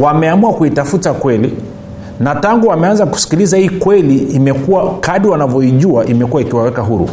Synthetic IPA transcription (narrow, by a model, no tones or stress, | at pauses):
wamɛamuakuitafutakwɛli | nataŋɡuwamɛanzaku̥si̥kilizahiːkwɛliːmɛkuwakaɗiwanavjɔiʄuaʔimɛkuwaikiwawɛkaɦuɾṵ